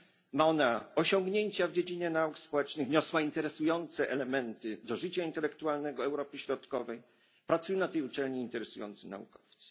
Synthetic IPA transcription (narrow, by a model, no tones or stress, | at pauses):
maɔnaɔɕɔŋɡɲeɲt͡ɕavd͡ʑed͡ʑiɲɛnaukspɔwɛt͡ʂnɘɣɲɔswaint̪ɛɾɛsujɔnt̪sɛʔɛlɛmɛnt̪ɘd̪ɔʐɘt͡ɕaint̪ɛlɛkt̪ualnɛɡɔɛwɾɔpɘɕɾɔt̪kɔvɛj | pɾat̪sujɛnat̪ɛjut͡ʂɛlɲiint̪ɛɾɛsujɔ̰nt̪sɨna̰ṵkɔ̥ft̪sɨ̥